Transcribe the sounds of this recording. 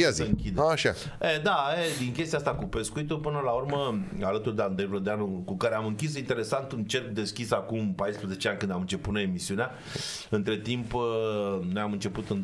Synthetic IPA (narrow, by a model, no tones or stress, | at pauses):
azsəɨŋkʲid̪eʃa̰ | ed̪aed̪iŋkʲest̪ijast̪akupe̞skuit̪upɨnəlaurməalət̪urd̪eand̪ɾevlod̪eanukukaɾeamɨŋkʲis̬int̪e̞ɾe̞sant̪ɨnt͡ʃe̞rkd̪e̞skʲisakumpajspɾəze̞t͡ʃeanʲkɨnd̪amɨnt͡ʃe̞put̪noemisiunea | ɨnt̪ɾe̞t̪imp | nojamɨnt͡ʃe̞put̪ɨn